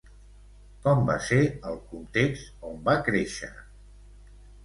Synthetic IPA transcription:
kɔmba̰seɾəlˠkunt̪ekst̪ombakɾeʃə̰

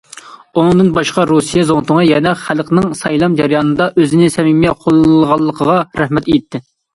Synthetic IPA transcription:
unɨŋd̪ɨnbɑʃqɑɾusijɛzoŋt̪ʊŋɨjɛnɛχælˠqnɨŋsɑjlˠɑmd͡ʒɛɾɨjɑːnɨd̪ɑʔøzɪnɪsɛmimɛqʰolˠlʁɑlˠːəqʰəʁɑɾæhmɛt̪ejit̪ʰːɪ

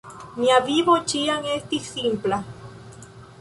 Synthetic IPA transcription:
niaβiβot͡ʃiaŋest̪isimpla

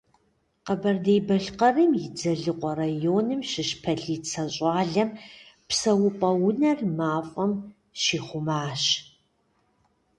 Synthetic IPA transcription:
qɐbɐrdejbɐɬqɐrɨmjɪd͡zɐɮɨqʷʼɔrajoːnɨmʃɪʃpʰɐɮiːt͡sʰɐɕʼɑːɮɐmpsɐwʊpʼɐwʊnɐrmaːfʼɐm | ʃiːχʷʊmaːɕ

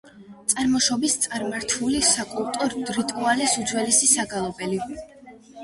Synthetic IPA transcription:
t̪sʼaɾmɔʃɔbist̪sʼaɾmaɾt̪ʰulisakʼulˠt̪ʼɔɾd̪̥ɾit̪ʼualisudd͡ʒwɛlisisaɡalˠɔbɛli

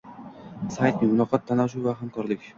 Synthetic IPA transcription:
sajt̪̚nɪmʊlɒqɑt̪ʰːanaʃ̬uvaɦamkʰɒɾlˠɪkʲ

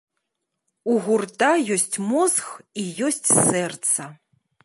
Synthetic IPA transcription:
uɣurt̪ajɔsʲt͡sʲmɔzxijɔsʲt͡sʲsɛrt̪sɐ

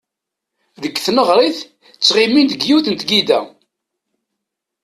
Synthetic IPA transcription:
ðəkːθnəʁɾˤiθ | t͡sːʁimind̪əɡjuθənt̪ɡid̪æ

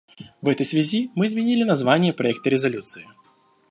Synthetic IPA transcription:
vɛt̪əjsʲvʲazʲimɨːzmʲɪnʲilʲɪnazvanʲɪjəpɾaɛk̚t̪ɐɾʲɪzalʲut̪sɨjɪ

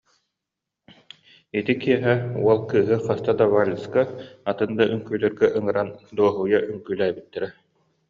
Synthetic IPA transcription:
it̪ikiɛɦɛṵɔlˠkɯːɦɯχast̪ad̪avalʲiskaat̪ɯnd̪aʔyŋkyːlɛɾɡɛʔɯŋɯɾand̪uɔɦuːjaʔyŋkyːlæːbit̪ːɛɾɛ

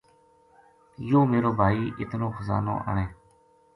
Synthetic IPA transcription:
joːmeːɾoːbʱaːiːʔɪt̪nõːxəza̰ːno̰ːʔa̰ːɳeː

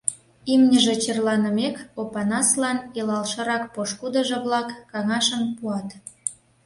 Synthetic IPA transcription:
imnʲəʒĕt͡ɕerlɑnə̆mekopɑnɑslɑnilɑlʃɤ̆ɾɑk̚poʃkud̪ə̆ʒĕβlɑkːɑŋɑʃəmpuɑt̪

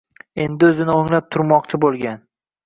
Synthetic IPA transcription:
e̞nd̪ɪɵzɪnɪoŋlap̚t̪ʰʊɾmɒqt͡ʃʰɪbolˠɡʲan

